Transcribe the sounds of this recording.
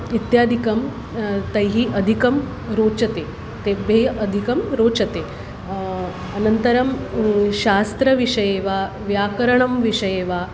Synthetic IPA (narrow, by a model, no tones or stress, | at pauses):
it̪jaːd̪ʱikɐm | t̪ɐjɦiːʔɐd̪ʱikɐm | ɾoːt͡ʃɐt̪eː | t̪ebʱeəd̪ʱikɐmɾoːt͡ʃɐt̪e | ɐnɐnt̪ɐɾɐmɕaːst̪ɾɐʋiʂɐjeːʋa | ʋjaːkɐɾɐɳɐmʋiʂɐjeːʋa